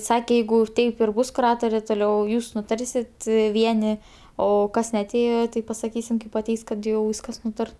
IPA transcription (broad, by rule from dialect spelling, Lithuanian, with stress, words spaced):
ˈsɑːkʲɛ ˈjɛɪɡʊ ˈtɐɪp ɪr ˈbʊs kʊˈrɑːtoːrʲeː toːˈlʲɛʊ ˈjuːs nʊˈtɐrʲsʲɪt ˈʋʲiɛnʲɪ oː ˈkɐs nʲɛɐˈtʲeːjoː tɐɪ pɐsɐˈkʲiːsʲɪm kɐɪp ɐˈtʲɛɪs kɐt ˈjɛʊ ˈʋʲiːskɐs ˈnuːtɐr